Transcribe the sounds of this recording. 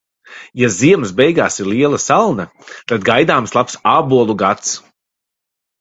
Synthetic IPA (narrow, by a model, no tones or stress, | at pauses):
jaziɛmsbɛjɡaːsiɾliɛlˠɐsalˠnɐ | t̪ad̪ɡajd̪aːmslˠapsaːbuɔlˠuɡat̪s